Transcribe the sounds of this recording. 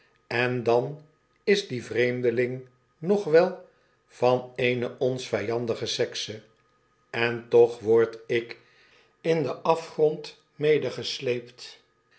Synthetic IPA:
ɛndɑn | ɪzdivrejmdəlɪŋ | nɔχʋɛlˠ | v̥ɑnejnəʔɔnsfɛjɑndəχəsɛksə | ɛntɔχʋɔɹtɪk | ɪndəʔɑfχrɔnt | mejdəχəslejpt

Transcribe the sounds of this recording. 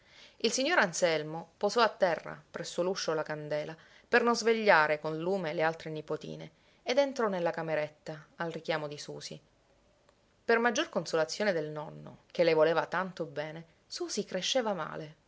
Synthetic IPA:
ilsiɲːoːɾansɛlmopozɔat̪ːɛrːa̰pɾɛsːoluʃːolakand̪ɛːla | pernonzveʎːaːɾekonluːmelealt̪ɾenipot̪ḭːnḛː | d̪ent̪ɾɔnelːakameɾet̪ːaːlrikjaːmod̪isuːsḭ | permad͡ʒːorkonsolat̪sːjoːned̪elnɔnːo̰k̟elːevoleːvat̪ant̪obɛːne | suːsikɾeʃːeːvama̰ːle

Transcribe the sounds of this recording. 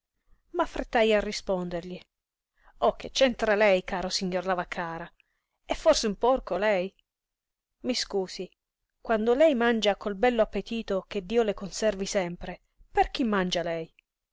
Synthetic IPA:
mafːɾet̪ːajarːispond̪erʎi | ɔkːet͡ʃːɛnt̪ɾalɛjkaːɾosiɲːorlavakʰːaːɾa | ɛfːɔrseumpɔrkolɛj | miskuːsi | kwand̪olɛjmand͡ʒakolbɛlːoapːet̪iːt̪ok̟ed̪ːiːolekonsɛrvisɛmpɾe | perk̟imːand͡ʒalɛj

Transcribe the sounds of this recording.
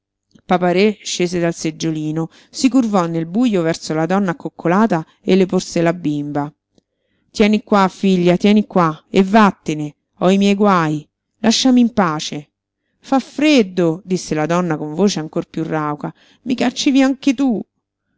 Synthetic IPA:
papaɾeʃːeːsed̪alsed͡ʒːoliːno | sikurvɔnːelbujovɛrsolad̪ɔnːakːokʰːolaːt̪a | elːeporselabːimba | t̪jɛːnikwafiʎːat̪jɛːnikwaevːat̪ːene | ɔimjɛjɡwaːj | laʃːamimpaːt͡ʃe | fafɾed̪ːod̪isːelad̪ɔnːakoɱvoːt͡ʃeaŋkorpjurːawka | mikat͡ʃːiviaŋket̪u

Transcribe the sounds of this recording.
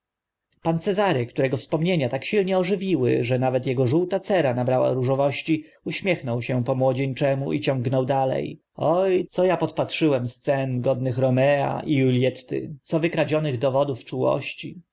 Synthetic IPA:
pant̪sɛzaɾɛkt̪uɾɛɡɔfspɔmɲeɲat̪akɕilɲɛɔʐɘvʲiwɘ̰ʐɛnavɛt̪jɛɡɔʐuwt̪at̪sɛɾanabɾawa̰ɾuʐɔvɔɕt͡ɕi | uɕmʲjɛxnɔwɕɛpɔmwɔd͡ʑeɲt͡ʂɛmuʔḭt͡ɕɔ̃ŋɡnɔwd̪alɛ̰j | ɔjt̪sɔjapɔt̪patʂɘwɛmst̪sɛnɡɔd̪nɘxɾɔmɛa̰ʔiulʲjɛt̪ːɪ̰t̪sɔvɘkɾad͡ʑɔnɘɣd̪ɔvɔd̪uft͡ʂuwɔ̰ɕt͡ɕi

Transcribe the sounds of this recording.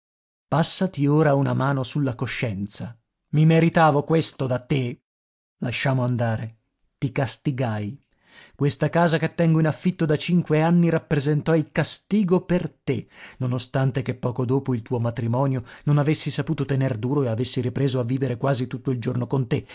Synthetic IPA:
pasːat̪ioːɾaunamaːnosulːakoʃːɛnt̪sa | mimeɾit̪aːvokwest̪od̪at̪ːe | laʃːaːmoand̪aːɾe | t̪ikast̪iɡaj | kwest̪akaːzaket̪ːɛŋɡoinafːit̪ːod̪at͡ʃiŋkweanːiɾapːɾezent̪ɔilkast̪iːɡopert̪enonost̪ant̪ekepːɔːkod̪oːpoilt̪uːomat̪ɾimɔːnjononavesːisapuːt̪ot̪enerd̪uːɾoeavesːiɾipɾeːzoavːiːveɾekwaːzit̪ut̪ːoild͡ʒornokont̪e

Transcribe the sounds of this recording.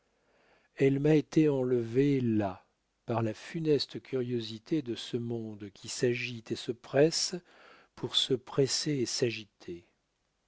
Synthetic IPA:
ɛlmaet̪eɑ̃ləvela | paʁlafynɛst̪əkʲʰyʁjozit̪ʰed̪əsəmɔ̃d̪kʲisaʒit̪esəpχɛs | pʰuʁsəpχeseːsaʒit̪ʰe

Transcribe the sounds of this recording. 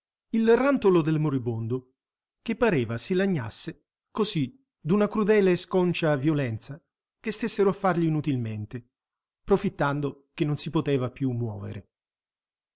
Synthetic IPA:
ilrant̪olod̪elmoɾibond̪o | kepːaɾeːvasilaɲːa̰sːe | kosi | d̪unakɾud̪ɛːleːskɔnt͡ʃavjolɛnt̪sa | kest̪esːeɾoafːarʎiːnut̪ilment̪e | pɾofit̪ːand̪ok̟enːonsipot̪ɛːvapjumːwɔ̰ːvḛɾḛ

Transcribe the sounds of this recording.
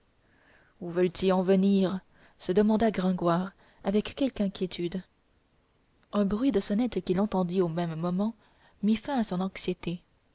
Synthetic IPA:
uvəlt̪iɑ̃vəniʁ | səd̪əmɑ̃d̪aɡʁɛ̃ɡwaʁ | avɛkːɛlkɛ̃kʲʰjet̪ʰyd̪ | ɛ̃bʁɥid̪əsɔnɛt̪kʲilɑ̃t̪ɑ̃d̪iomɛmːɔmɑ̃ | mifɛ̃asɔ̃nɑ̃ksjet̪e

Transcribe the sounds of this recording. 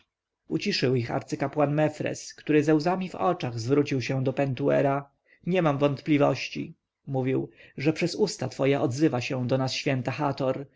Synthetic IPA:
ut͡ɕiʂɘwixa̰ɾt̪sɘkapwanmɛfɾɛ̰skt̪uɾɘzɛwzamʲivɔ̰t͡ʂaɣzvɾut͡ɕiwɕɛ̃d̪ɔpɛnt̪uɛ̰ɾa | ɲɛmamvɔnt̪plʲivɔ̰ɕt͡ɕḭ | muvʲiwʐɛpʂɛzust̪at̪fɔjɛʔɔd̪zɘvaɕɛ̃d̪ɔnasɕfʲjɛnt̪axat̪ɔɾ

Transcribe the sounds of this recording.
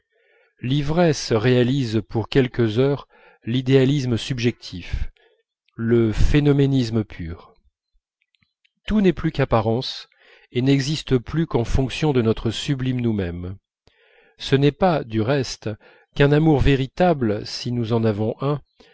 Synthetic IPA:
livʁɛsʁealizpuʁkʲɛlkəzœːʁ | lid̪ealisməsybʒɛk̚t̪ʰif | ləfenɔmenisməpʰyːʁ | t̪unɛplykapaʁɑ̃s | enɛɡzist̪əplykɑ̃fɔ̃ksjɔ̃d̪ənɔt̪χəsyblimnumɛm | sənɛpad̪yʁɛst̪ | kɛ̃namuʁveʁit̪ablsinuzɑ̃navɔ̃ʔɛ̃

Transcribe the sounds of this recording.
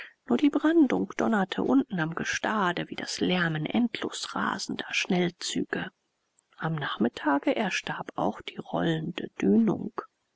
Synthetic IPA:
nuːɐdiːbʁandʊŋkd̥ɔnɐtʰə̰ʔʊntn̩amɡəʃtaːdəviːda̰slɛɐmənʔɛ̰ntʰlo̰ːsʁa̰ːzn̩dɐʃnɛlt͡sy̰ːɡ̥ə | ʔamnaːχmɪtʰaːɡəʔɛɐʃtaɐpa̰ʊxd̥iːʁɔ̰ləndə̰d̥yːnʊ̰ŋk

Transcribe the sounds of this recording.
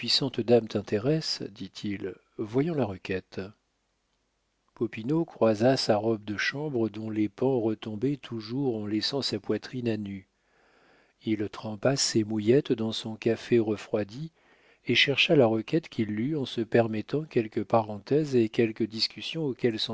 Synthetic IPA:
pɥisɑ̃t̪d̪amt̪ɛ̃t̪ʰeʁɛsd̪it̪ʰil | vwajɑ̃laʁəkʲɛt̪ | pɔpinokχwazasaʁɔb̚d̪əʃɑ̃bʁəd̪ɔ̃lepɑ̃ʁət̪ɔ̃bɛt̪ʰuʒuʁɑ̃lɛsɑ̃sapwat̪χinany | ilt̪χɑ̃pasemujɛt̪d̪ɑ̃sɔ̃kʲafeʁəfχwad̪i | eʃɛʁʃalaʁəkʲɛt̪kʲʰilːyɑ̃səpɛʁmɛt̪ɑ̃kʲɛlkəpaʁɑ̃t̪ɛzekʲɛlkəd̪iskʲysjɔ̃okʲɛlsɔ̃

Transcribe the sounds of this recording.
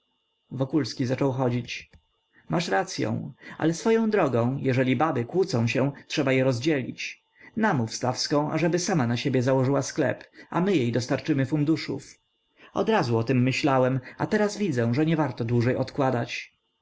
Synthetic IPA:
vɔkulskʲizat͡ʂɔwxɔd͡ʑit͡ɕ | mʔaʂɾat̪sʲjɔ̰̃w̃a̰lɛsfɔjɔ̃w̃d̪ɾɔɡɔ̃w̃jɛʐɛlʲibabɘkwut̪sɔ̃w̃ɕɛw̃tʂɛbajɛɾɔzd͡ʑɛlʲḭt͡ɕ | namufst̪afskɔ̃w̃ʔa̰ʐɛbɘsamanaɕebʲjɛzawɔʐɘwasklɛ̰pa̰mɘjejd̪ɔst̪aɾt͡ʂɘmɘfund̪uʂṵf | ɔ̰d̪ɾazuɔt̪ɛmːɘɕlawɛma̰t̪ɛɾasvʲid̪zɛ̃ʐɛɲɛvaɾt̪ɔd̪wuʐɛjɔt̪kwad̪at͡ɕ

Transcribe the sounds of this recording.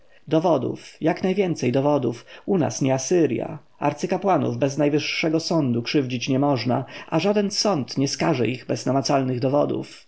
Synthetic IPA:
d̪ɔvɔd̪ṵfjaknajvʲjɛnt̪sɛjd̪ɔvɔd̪ufuna̰sɲɛasɘɾʲja̰ | a̰ɾt̪sɘkapwanṵvbɛznajvɘʂːɛɡɔsɔnd̪ukʂɘvd͡ʑit͡ɕɲɛmɔʐnaʔa̰ʐad̪ɛnsɔnt̪ɲɛskaʐɛ̰iɣbɛznamat̪salnɘɣd̪ɔvɔd̪ṵf

